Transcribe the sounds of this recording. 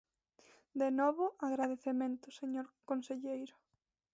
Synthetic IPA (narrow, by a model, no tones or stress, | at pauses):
d̪enɔβʊaɣɾaðeθemẽnt̪ʊseɲoɾkonseʎejɾʊ